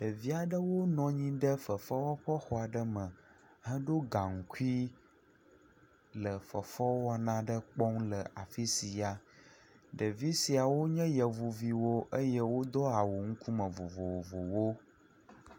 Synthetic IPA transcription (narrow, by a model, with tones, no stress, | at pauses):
ɖ̥ə˨vi˦a˨ɖə˦wo˦nɔ̃˨ɲĩ˦ɖə˦fə˨fɔ˦wɔ˦ɸɔ˦xɔ˦a˨ɖə˦mə̃˨ | ɦə˦ɖo˦ɡa˨ŋ̩˨ku˦i˦ | lə˨fə˨fɔ˦wɔ˦nã˦ɖə˦k͡pɔ˦ŋlə˨a˨fi˦si˨ja˨ | ɖə˨vi˦si˨a˨wo˦ɲɛ̃˦jə˨vu˨vi˨wo˦ʔə˦jɛ˦wo˦d̪ɔ˦a˨wo˨ŋ̩˦ku˦mə̃˨vo˨vo˨wvo̰˨wo˦